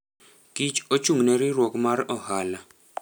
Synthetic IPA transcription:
kʼit͡ʃot͡ʃʰumneɾirwokʼumaɾiʔɔhala

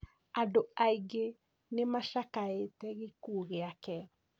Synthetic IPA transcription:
adoaiɡe | nemaʃakaetɛɣekuːɣeakɛ

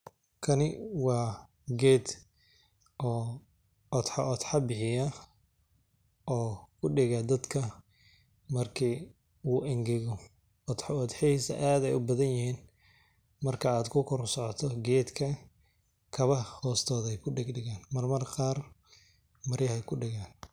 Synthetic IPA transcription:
kʰɐnɪwɑː | ɡɛːd̪ | ʔɔː | ɔd̪ħɑʔɔd̪ħɑbɪħɪjɐ | ʔɔːkʰʊɖɪɣɐd̪ɐd̪kʰɐ | mɐrkʰiː | uːʔɪŋɡɪɣɔ | ɔd̪ħɑɔd̪ħɪiːsɐ̰ʔaːd̪ɛjʊbɐðɐnjɪhiːn | mɐrkʰɐaːd̪kʰʊkʰɔɾsɔʕɔt̪ʰɔɡɛːd̪kʰɐ | kʰɐβɐhɔːst̪ʰɔːðɛjkʰʊɖɪɡɖɪɣaːnmɐrmɐrqɑːr | mɐɾjɐhɛjkʰʊɖɪɣaːn

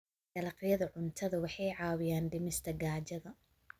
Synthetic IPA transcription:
ɡ̥ɐlɐqɪjɐðɐʕʊnt̪ʰɐðɐwɑħɑjʕɑːwɪjaːnɖɪmɪst̪ʰɐɡaːt͡ʃɐðɐ

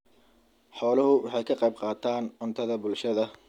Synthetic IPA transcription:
ħɔːlɐɦʊwɑħɑjkʰɐqɑjb̚qɑːt̪ʰaːnʊnt̪ʰɐðɐbʊlʃɐðɐ

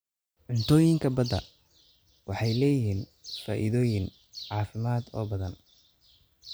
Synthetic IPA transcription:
ʕʊnt̪ʰɔːjɪŋkʰɐbɐd̪ɐ̰ | wɑħɑjlɛːjɪɦiːnfa̰ːʔɪðɔːjɪn | ʕɑːfɪmaːd̪ɔ̰ːbɐðɐn

